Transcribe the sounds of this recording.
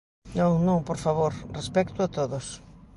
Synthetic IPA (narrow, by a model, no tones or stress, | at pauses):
nõŋnõŋpoɾfaβoɾrespɛkt̪ʊat̪oðos